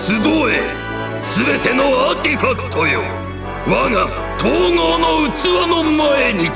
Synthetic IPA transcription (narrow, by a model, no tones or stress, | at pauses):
sɨd̪oḛ | sɨbe̞t̪e̞no̞at̪eɸakɯ̟̥t̪ʰo̞jo̰ | βaŋa | t̪ʰoːŋoːnoɯ̟t͡sɨβanomae̞ɲ̟i